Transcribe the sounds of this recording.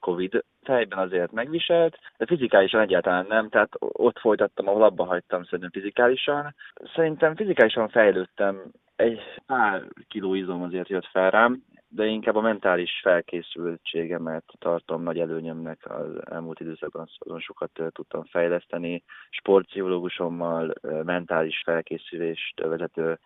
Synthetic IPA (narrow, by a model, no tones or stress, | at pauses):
ko̞vid̪ | fɛjbɛnɒzeːrt̪mɛɡʋiʃɛlt̪d̪ɛfizikaːliʃɒnɛɟːaːlt̪ɒlaːnːɛmt̪ɛat̪o̞t̪fo̞jt̪ɒt̪ːɒmɒɦo̞lɒbːɒɦɒct̪ːɒmsɛɾint̪ɛɱfizikaːliʃɒnsɛɾint̪ɛɱfizikaːliʃɒɱfɛjløːt̪ːɛm | ɛɟpaːrkiloːizomɒzeːrt̪jøt̪fɛlraːm | d̪ɛiŋkaːbːɒmɛnt̪aːliʃfɛlkeːsylt͡ʃeːɡɛmɛt̪ːɒrt̪o̞mnɒɟɛløːɲømnɛkʰɒ̰zɛ̰lmuːlt̪id̪øːsɒɡ̚bɒnsɒ̰zo̞nʃo̞kɒt̪ːt̪ut̪ːɒɱfɛjlɛst̪ɛniʃpo̞rt̪sioloːɡuʃo̞mːɒlmɛnt̪aːliʃfɛlkeːsyleːʃt̪vɛzɛt̪øː